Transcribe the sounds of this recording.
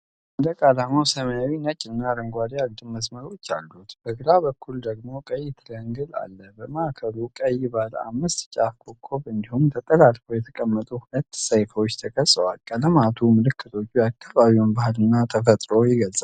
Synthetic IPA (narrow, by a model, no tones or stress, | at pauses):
ʔɨnd̪əkʼalamawsəməjawinət͡ʃʼːɪɨnːaɾəŋɡʷad̪ijaɡd̪ɨmmːəsməɾo̞t͡ʃːa̰lːut̪b̥əɡɨɾabəkʰːuld̪əɡmo̞kʼəjːt̪ʰɨləŋɡɨla̰lːəbəməakʰəɾukʼəjɪbala̰mːɨst̪t͡ʃʼafkʰokʰːo̞βɨnd̪ihumt̪ʰət̪ʼəlalfojɛt̪ʰə̥kʼəmːət̪ʼuhulət̪ːsəjfəwot͡ʃːt̪ʰəkʼəsʼəwa̰lkʼələmat̪ʰumɨlɨkʰːɨt̪ʰo̞t͡ʃːujakʰːaβaβiwunbahlɨnːat̪ʰəfət̪ʼɾo̞jɪɡəlzʼa